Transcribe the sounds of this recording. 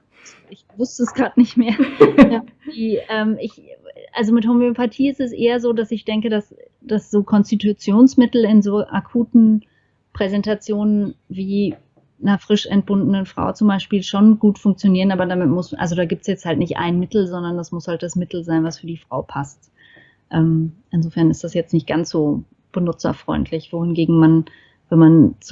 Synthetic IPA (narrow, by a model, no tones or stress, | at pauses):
z̥ | ɪçvʊstəsɡ̥ʁaːtnɪçtmeːɐjad̥iːʔɛːmɪçʔa̰lzomɪthomøopatʰiːɪstɛsʔeːɐzoːdasɪçd̥ɛŋkədas | d̥asz̥oːkʰɔnstitut͡sjoːnsmɪtl̩ɪnzoːʔa̰kʰuːtn̩ | pʁ̥ɛzɛntat͡sjoːnənviː | nɐfʁ̥ɪʃɛ̰nt̚b̥ʊndənənfʁ̥a̰ʊt͡sʊmbaɪʃpiːlʃonɡuːtfʊŋk̚t͡sjoniːʁənʔaːbɐdaːmɪtmʊsʔa̰lzodaːɡiːp̚tsjɛt͡sthaltnɪçtʔa̰ɪnmɪtl̩zɔndɐndasmʊshalt̚d̥asmɪtl̩zaɪnvasfyːɐdiːfʁ̥a̰ʊpʰast | ʔɛːmʔɪnzoːfɛɐnɪstd̥asjɛt͡stnɪçt̚ɡ̥ansz̥oː | b̥ənʊt͡sɐ̰fʁ̥ɔ̰ʏntʰlɪçv̥oːhɪnɡeːɡŋ̩man | vɛmant͡s